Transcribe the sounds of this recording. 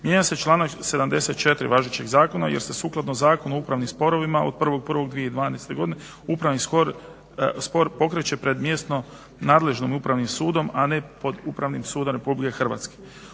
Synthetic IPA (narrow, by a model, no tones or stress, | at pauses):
mjeɲase̞t͡ʃlˠaːnakse̞d̪amd̪e̞se̞t̪̚t͡ʃe̞t̪ɾḭʋaːʒet͡ɕe̞ɡzaːko̞najeɾst̪esuːklˠad̪nozaːkonuoupɾaʋnimspo̞ɾo̞ʋimaod̪̚pr̩ʋo̞ɡ̚pr̩ʋo̞ɡd̪ʋije̞id̪ʋaːnest̪e̞ɡo̞d̪ine | upɾaʋniskoɾ | spo̞ɾpo̞kɾet͡ɕe̞pɾe̞d̪mje̞st̪no̞ | naːd̪le̞ʒnomupɾaʋnimsuːd̪o̞mane̞po̞d̪upɾaʋnimsuːd̪omɾe̞publike̞xr̩ʋa̰t̪ske̥